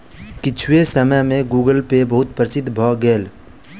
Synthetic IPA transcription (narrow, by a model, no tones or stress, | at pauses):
kɪt͡ʃʰwesəməjmẽɡuːɡəlpebəɦʊt̪̚pɾəsɪd̪ʱːbʱɔɡeːl